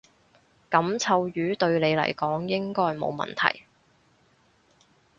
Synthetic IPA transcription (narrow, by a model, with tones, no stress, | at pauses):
kɐ˨˥mt͡sʰɐ˧wjyː˨˧t̪ɵ˧ɥle˨˧jlɐ̰˨˩jkɔː˨˥ŋjɪ˥ŋkɔː˥jmo̰˨˧wmɐ̰˨nt̪ʰɐ̰˨˩j